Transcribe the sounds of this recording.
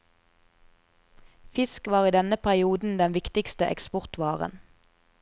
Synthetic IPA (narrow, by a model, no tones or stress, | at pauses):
fɪskʋɑːʁiːd̪ɛnəpʰæʁɪuːd̪n̩d̪ɛnʋɪkt̪ɪkst̪əʔɛ̰kspɔʁt̪ʋɑːʁə̰n